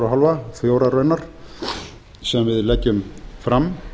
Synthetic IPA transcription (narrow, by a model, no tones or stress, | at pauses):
ɾaɦalvaθjoːwɾarœːɥnaɾ̥ | sɛmvɪðlɛcːʏmfɾam